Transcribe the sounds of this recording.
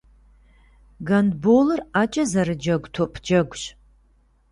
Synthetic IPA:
ɡɐndbolɨrat͡ʃʼɐzɐɾɨd͡ʒɐɡʷtʰopʰd͡ʒɐɡʷɕ

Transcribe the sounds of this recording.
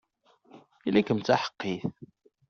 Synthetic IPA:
ilækəmt͡sːaħə̥qːiθ

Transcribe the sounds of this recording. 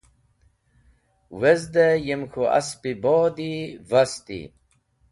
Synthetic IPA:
wezd̪ejemkʰua̰spiboːd̪ivast̪ḭ

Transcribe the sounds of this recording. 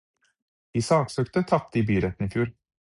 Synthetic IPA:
isɑːksøːkt̪ət̪ʰɑp̚t̪əiːbyːɾɛt̪n̩iːfjuːɾ

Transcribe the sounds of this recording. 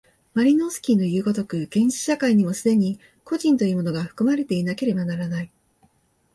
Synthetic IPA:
maɾʲino̞sɨ̥kʲinːo̞jɯ̟ːɡo̞t̪o̞kɯ̟ɡ̥ẽ̞ɕi̥ɕakaiɲ̟imo̞sɨd̪e̞ɲ̟i | ko̞ʑĩnt̪o̞jiɯːmo̞noɡaɸɯ̥kɯ̟maɾe̞t̪e̞inake̞ɾe̞banaɾanai

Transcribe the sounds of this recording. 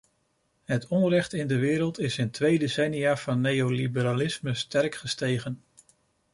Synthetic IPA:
ɦətʰɔnrɛχtɪndəʋɪːɾəlˠtɪsɪntʋejdesɛnijaːvɑnːejowlibəɾalɪsməstɛrkχəstejχən

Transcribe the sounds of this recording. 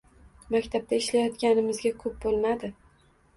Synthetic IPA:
makʲt̪ʰab̚t̪ʰaɪʃlajɒt̪ɡʲanɪmɪzɡʲakʰɵp̚bolˠmad̪ɪ

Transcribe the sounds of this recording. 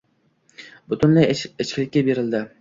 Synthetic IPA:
b̥ʊt̪ʰʊnlajɪt͡ʃkʲɪlɪkʲːabe̞ɾɪld̪ɪ

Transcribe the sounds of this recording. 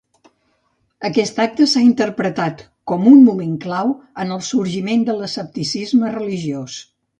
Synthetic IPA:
əkɛst̪ak̚t̪əsaint̪əɾpɾət̪at̪ | kɔmummumeŋklawənəlˠsuɾʒimend̪ələsəp̚t̪isizmərəliʒios

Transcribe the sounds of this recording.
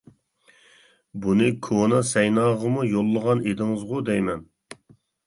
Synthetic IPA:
bunɨkʰonɑsɛjnɑːʁəmujolˠːəʁɑned̪ɪŋɨzʁʊd̪ɛjmɛn

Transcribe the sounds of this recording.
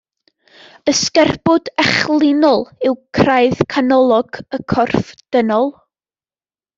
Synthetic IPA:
əskɛrbʊdɛχlˠɪnɔlˠɪwkʰrajðkʰanɔlˠɔɡ̥əkʰɔrfd̥ənɔlˠ

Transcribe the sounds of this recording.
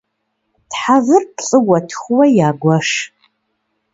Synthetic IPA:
tħavɨrpɬʼɨwʷɐtʰxʷʊwɐjaːɡʷɐʂ

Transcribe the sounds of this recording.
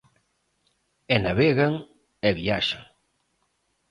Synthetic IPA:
ɛnaβeɣaŋ | ɛβiaʃaŋ

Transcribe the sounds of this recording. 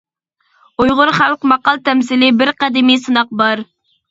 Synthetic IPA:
ujʁʊɾχælˠqmɑqɑlˠt̪ʰɛmsɪlɪbɪɾqæd̪ɪmijsɨnɑq̚bɑɾ

